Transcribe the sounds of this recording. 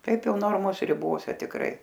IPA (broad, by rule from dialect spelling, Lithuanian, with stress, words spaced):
ˈtɐɪp ˈjɛʊ ˈnoːrmoːs rʲɪˈboːsʲɛ tʲɪkˈrɐɪ